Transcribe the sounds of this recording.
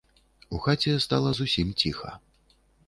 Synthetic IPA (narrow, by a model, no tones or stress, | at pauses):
uxat͡sʲɛst̪alˠɐzusʲimt͡sʲixɐ̰